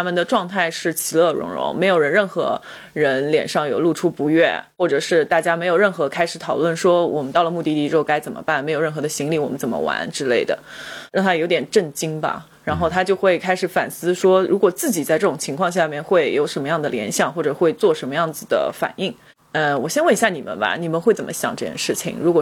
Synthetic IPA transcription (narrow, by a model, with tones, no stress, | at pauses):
a˥mə˨nd̪ə˩ʈ͡ʂwɑ˥˧ŋt̪ʰa˥˧ɪʂɻ̩˥˩t͡ɕʰi˧˥lɤ˥˩ɻʊ̰˧˥ŋɻʊ̰˧˥ŋme˧˥ɪjo˨˩ʊɻə˧˥nɻə˥˩nxɤ̰˧˥ | ɻə˧˥nljɛ̰˨˩nʂɑ˥˩ŋjo˨˩ʊlu˥˩ʈ͡ʂʰu˥pu˧˥ɥɛ˥˩xwɔ˥˩ʈ͡ʂɤ˨˩ʂɻ̩˥˧t̪a˥˩t͡ɕja˥me˧˥jʊɻə˥˩nxɤ˧˥kʰa˥ɪʂɻ̩˧˥t̪ʰɑ˨˩ʊlwə˥˩nʂwɔ˥wɔ̰˨˩mə˦nt̪ɑ˥˩ʊlə˩mu˥˧t̪i˥˧t̪i˥ʈ͡ʂɻ̩˥o˥˧ʊka˥ɪt͡sə˨˩nmə̰˦pa˥˩nm˧˥ɪo˨˩ʊɻə˥˩nxɤ˧˥d̪ə˧ɕi˧˥ŋli˧˥wɔ˨˩mə˦nt͡sə˨˩nmə̰˦wa̰˧˥nʈ͡ʂɻ̩˥le˥˩ɪd̪ə̰˩ɻɑ˥˩ŋt̪ʰa˥jo˧˥t̪jɛ˨˩nʈ͡ʂə˥˩ŋt͡ɕi˥ŋbɐ̰˧ | ɻa˧˥nxo˥˩ʊt̪ʰa˥t͡ɕjo˥˧ʊxwe˥˩ɪkʰa˥ɪʂɻ̩˨˩fa˨˩nsɹ̩˥ʂwɔ˥ɻu˧˥kwɔ˨˩t͡sɹ̩˥˩t͡ɕi˨˩t͡sa˥˧ʈ͡ʂɤ˥˩ʈ͡ʂʊ˨˩ŋt͡ɕʰi˧˥ŋkʰwɑ˥˧ŋɕ̬ja˥˧mjɛ˥˧nxwe˥˩ɪjo˧˥ʊʂə˧˥nmə˧jɑ˥˩ŋd̪ə˩ljɛ̰˧˥nɕjɑ˨˩ŋxwɔ˥˩ʈ͡ʂɤ˨˩xwe˥˧ɪt͡swɔ˥˩ʂə˧˥nmə˧jɑ˥˩ŋd͡zɹ̩˩d̪ə̰˩fa̰˨˩ni˥˩ŋ | ə˧wɔ˨˩ɕjɛ˥nwə˥˩ni˧ɕja˥˩ni˨˩mə̰˦nbɐ̰˧ni˨˩mə˧˦nxwe˥˩ɪt͡sə˨˩mə˦ɕjɑ̰˨˩ŋʈ͡ʂɤ˥˩t͡ɕjɛ̰˥˩nʂɻ̩˥˩t͡ɕʰḭ˨˩ŋɻu˧˥kwɔ˨˩